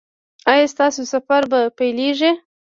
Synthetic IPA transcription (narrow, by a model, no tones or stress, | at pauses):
ajɑst̪ɑsosafaɾbapajleʐi